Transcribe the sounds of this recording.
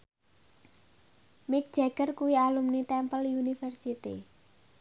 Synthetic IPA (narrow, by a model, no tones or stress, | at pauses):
mɪk̚d̥d͡ʒ̥ɛɡərkuwialumnit̪ɛmpəljunifərsit̪ḭ